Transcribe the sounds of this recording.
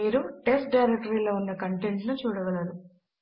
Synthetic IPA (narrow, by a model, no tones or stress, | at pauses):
iːɾuʈesʈ̚ɖɐjɾek̚ʈɐɾiloːunːɐkɐɳʈeɳʈnut͡ʃuːɽɐɡɐlɐnu